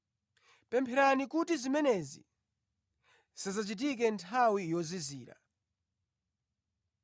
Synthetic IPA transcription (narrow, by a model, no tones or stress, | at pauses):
pɛmpʰɛɾanikutizimɛnɛzḭ | sazat͡ʃit̬ik̬ɛntʰawijɔziziːɾa̰